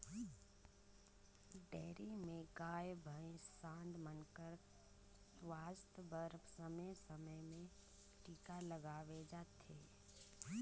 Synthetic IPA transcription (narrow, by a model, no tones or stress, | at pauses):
ɖeːɾimẽɡaːjbʱəẽsãːnd̪mənkəɾ | swaːst̪əbəɾbsəmesəməjmẽ | ʈiːkaləɡaːʋed͡ʒaːt̪ʰeː